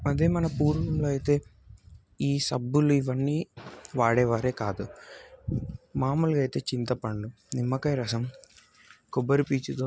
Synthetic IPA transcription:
ɐd̪eːmɐnɐpuːɾʋɐmloːɐjt̪e̞ː | iːsɐbːuluiʋɐnːiːʋaːɽɛːʋaːɾe̞ːkaːd̪u | maːmulɡɐjt̪e̞ːt͡ʃint̪ɐpɐɳɖu | nimːɐkɐjɾɐsɐm | kɔbːɐɾipiːt͡ʃud̪oː

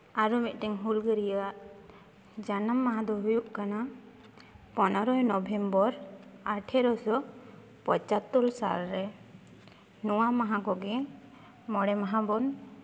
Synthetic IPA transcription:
aɾɔmit̪̚ˀʈɛŋɦulɡəɾijaʔ | d͡ʒanamːaɦãd̪ɔɦujuʔkana | pɔnɔɾɔjnɔbʱɛmbɔɾaʈʰɛɾɔsɔ | pɔt͡ʃat̪ːɔlsa̰lɾɛ | nɔwamaɦãɡɔɡɛ | mɔɽɛmaɦabɔn

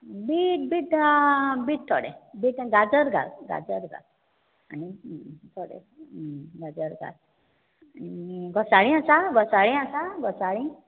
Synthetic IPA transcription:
biʈ̚biʈ | biʈ̚t̪ʰɔɽḛbiʈɡad͡zəɾɡa̰lɡa̰d͡zəɾɡa̰l | anit̪ʰɔɽḛ | ɡad͡zəɾɡa̰l | nniɡɔsaɽĩasaɡɔsaɽĩasaɡɔsaɭĩ

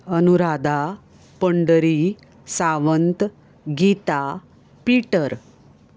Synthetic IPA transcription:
ənuɾad̪a | pəɳɖəɾi | saʋənt̪ | ɡit̪a | piʈəɾ

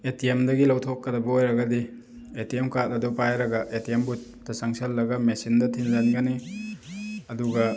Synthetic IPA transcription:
etiemdɐɡilɐwtʰokːɐdɐbɐojɾɐɡɐdi | etiemkat̚ɐdɔpajɾɐɡɐʔetiembut̚ | dɐsaŋsɐlːɐɡɐmesindɐtʰinzanɡɐni | ɐduɡɐ

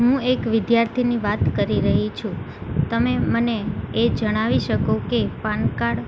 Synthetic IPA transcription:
ɦũekʋɪd̪jaɾt̪ʰiniʋat̪kəɾiɾəɦit͡ʃʰũ | t̪əmeməneːd͡ʒəɽ̃aʋiʃəkokepankaɽ

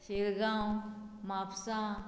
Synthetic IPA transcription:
ʃeɾɡaːw | maːpsãː

